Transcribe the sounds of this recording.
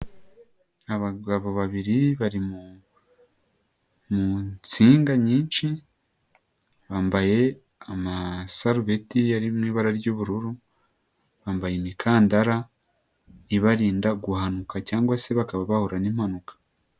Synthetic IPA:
aβaɡaβoβaβiɾiβaɾimu | mut͡siːŋɡaɲiːnt͡ʃi | βaːmbaje̞ | amasaɾuβe̞tiaɾimwiːβaɾaɾɟoβuɾuɾu | βaːmbajemikʰaːndaɾa | iβaɾiːndaɡuhanukacaːŋɡwase̞βakaβaβahoɾaniːm̥hanukḁ

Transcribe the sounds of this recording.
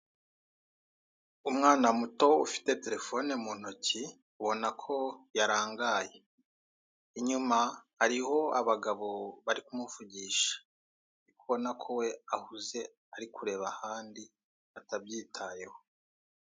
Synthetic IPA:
umŋaːnamuto̞ufi̥te̞te̞ɾe̞fo̞nemun̥oci | uβo̞nakʰo̞jaɾaːŋɡaːje̞ | iɲumahaɾiho̞aβaɡaβo̞βaɾikumufuɟiʃḁ | ikuβo̞nakʰo̞we̞ahuze̞ | aɾikʰuɾe̞ːβahaːndi | atabjiːtʰaje̞ho

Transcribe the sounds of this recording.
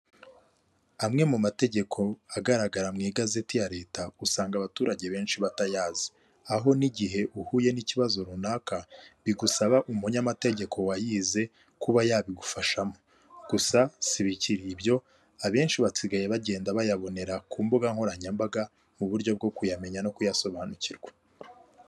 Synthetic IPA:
amŋe̞mumate̞ɟe̞kʰo̞aɡaɾaɡaɾamŋiːɡaze̞tijaɾe̞ːtausaːŋɡaβatuːɾaɟe̞βe̞ːnʃiβatajaːzi̥ | aɦo̞niɟiɦe̞ʔuhuje̞niciβazo̞ɾunaːkaβiɡusaβaʔumuɲamate̞ɟe̞kʰo̞wajiːze̞ | kuβajaːβiɡufaʃamo̞ | ɡ̥usasiβiciɾibjo̞ | aβe̞ːnʃiβat͡siɡajeβaɟe̞ːndaβajaβo̞ne̞ɾakuːmbuɡaŋ̥ho̞ɾaɲambaɡa | muβuɾɟo̞bɡo̞kujame̞ɲano̞kujaso̞βaːnuciɾɡwḁ

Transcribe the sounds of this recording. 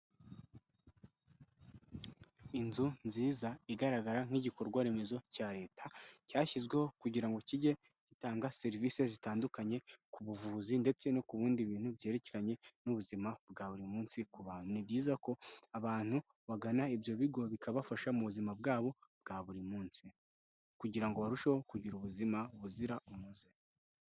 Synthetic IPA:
inzunziːzaiɡaɾaɡaɾaŋ̥hiɟikoɾɡwaɾe̞me̞zo̞caːɾe̞ːtʰḁcaːçizɡwe̞ho̞kuɟiɾaŋɡo̞ciɟe̞ | citaːŋɡase̞ɾiviːse̞zitaːndukaɲe̞kuβuvuːzinde̞t͡se̞no̞kuβuːndiβiːn̥hubje̞ːɾe̞ceɾaɲe̞nuβuzimabɡaːβuɾimuːnsikuβaːn̥hunibɟiːzako̞aβaːn̥hu | βaɡanaibjo̞βiɡo̞βikaβafaʃamuβuzimabɡaːβo̞bɡaːβuɾimuːnsi | kuɟiɾaŋɡo̞βaɾuʃeho̞kuɟiɾuβuzimauβuziɾaumuzi

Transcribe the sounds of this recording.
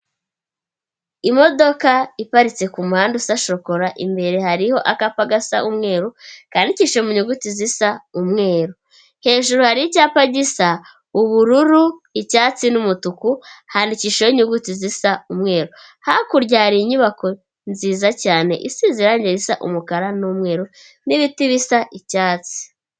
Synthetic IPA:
imo̞do̞kaipaɾit͡se̞kumuhaːndusaʃo̞ko̞ɾaʔḭmbe̞ɾe̞haɾiho̞ʔakapaɡasa̰ʔumŋeːɾukaːndiciʃemuɲuɡutizisaumŋe̞ːɾu | he̞ːʒuɾuhaɾijicaːpaɟisa | uβuɾuɾuicaːt͡sinumutukuhandiciʃeoiɲuɡutizisaumŋe̞ːɾo | hakuɾɟaːɾiɲuβako̞ | nziːzacaːne̞̰ʔisiziɾaɲɟeɾisaʔṵmukaɾanumŋe̞ːɾo | niβitiβisaʔicaːt͡si̥

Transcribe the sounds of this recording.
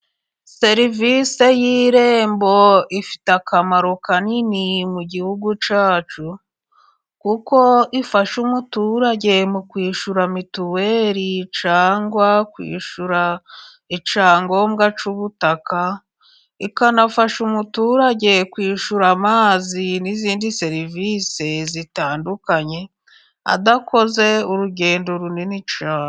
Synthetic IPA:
se̞ɾivise̞jiːɾeːmbo̞ifi̥takamaɾokaninimuɟihuɡut͡ʃaːt͡ʃu | kuko̞ifaʃumutuɾaɟe̞mukwiːʃuɾamituweɾit͡ʃaːŋɡwakwḭːʃuɾa | it͡ʃaːŋɡo̞mɡat͡ʃuβutaka | ikanafaʃumutuːɾaɟe̞kwiːʃuɾamaːziniziːndise̞ɾivisezitaːndukaɲe̞ | a̰dako̞ze̞uɾuɟe̞ːndoɾuninit͡ʃaː

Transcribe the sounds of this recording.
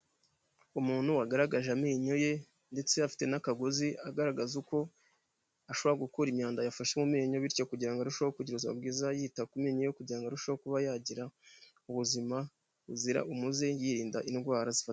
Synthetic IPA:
umuːn̥huwaɡaɾaɡaʒamiːɲo̞je̞ | nde̞t͡se̞afi̥te̞nakaɡoziaɡaɾaɡazuko̞ | aʃoβoɾaɡukuɾimɲaːndajafaʃemumiːɲo̞βiɾco̞kuɟiɾaŋɡaɾuʃawokuɟiɾuziβa̰bɡiːzajiːtakumiɲojokuɟiɾaŋɡaɾuʃawokuβajaːɟiɾa | uβuzima | βuziɾa̰ʔumuzejiɾiːndaʔinɡwaːɾazifat

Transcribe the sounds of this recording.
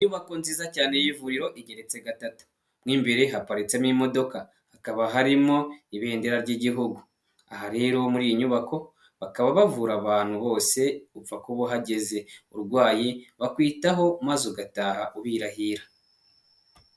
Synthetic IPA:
iɲuβako̞nziːzacaːne̞jivuɾiɾo̞ʔiɟe̞ɾe̞t͡se̞ɡatatu̥ | mŋiːmbe̞ɾe̞ɦapaɾit͡semŋimo̞do̞ka | hakaβaɦaɾimo̞iβe̞ːndeɾaɾɟiɟiɦuɡu | aɦaɾe̞ːɾo̞muɾijiɲuβako̞ | βakaβaβavuɾaβaːn̥huβo̞ːse̞ufakuβoɦaɟe̞ze̞ṵɾɡwaːjiβakwiːtaɦo̞mazuɡataːhaʔuβiːɾahiːɾa

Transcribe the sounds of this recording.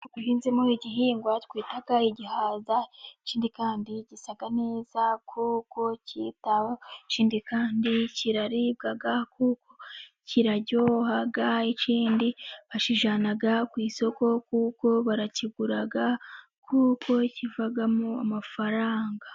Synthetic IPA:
uhiːnzemuɾiɟiɦiːŋɡwatkwiːtaɡaiɟihaːzaiciːndikaːndiɟisaɡaneːzakʰuːko̞cḭtaβoiciːndikaːndiciɾaɾib̚ɡaɡakuːko̞ | ciɾaɟo̞ːɦaɡaiciːndiβaʃiʒanaɡakwiːso̞ko̞kuːko̞βaɾaciɡuɾaɡa | kʰuːko̞civaɡamuamafaɾaːŋɡa

